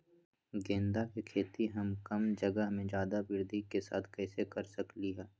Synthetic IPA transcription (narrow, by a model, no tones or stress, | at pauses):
ɡẽːnd̪akikʰeːt̪iɦɐmkɐmd͡ʒəɡəɦmẽd͡ʒjaːd̪abɪɾd̪ʱikesa̰ːt̪ʰkɛːsekɐɾsɐkliɦɛː